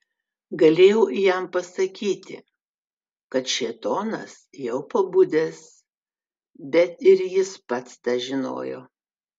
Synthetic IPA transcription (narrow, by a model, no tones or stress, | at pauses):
ɡɐlʲeːjɛʊjɛmpɐsɐkʲiːt̪ʲɪ̰ | kɐt̪ʃʲeɛt̪oːnɐ̰sjɛʊpɐbʊd̪ʲeːs | bʲɛt̪ɪɾjɪspɐt̪st̪ɑːʒʲɪno̰ːjo̰ː